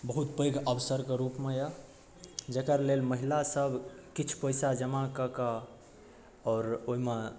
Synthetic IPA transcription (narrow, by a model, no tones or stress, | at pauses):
bəɦut̪̚pəjɡəbsəɾkeɾupmeja | d͡ʒekəɾlelməɦilasəbʱkit͡ʃʰpəjsad͡ʒəmakəkə | ɔːɾoime